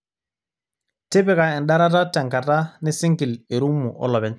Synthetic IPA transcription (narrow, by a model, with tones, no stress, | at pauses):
tɪ˦bɪ˦ka˨ɪ˨nɗa˦ɾa˦ta˦tɛ˨ŋka˨ta˦nɪ˦sɪ˦ŋkɪ˨le˨ɾu˦mːu˨ʔɔ̰˦lɔ˨bɛ˦ɲ